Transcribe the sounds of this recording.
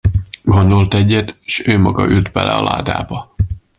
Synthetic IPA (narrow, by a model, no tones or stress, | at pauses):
ɡond̪olt̪ɛɟːɛt̪eʃøːmɒɡɒʔylt̪bɛlɛ̰ɒ̰la̰ːd̪a̰ːbɒ